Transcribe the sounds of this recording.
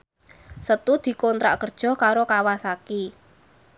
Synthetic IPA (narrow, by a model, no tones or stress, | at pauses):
sət̪ud̪̥i̤kɔnt̪ɾa̰kərd̥ʒ̥ɔ̤hkaɾokawasaki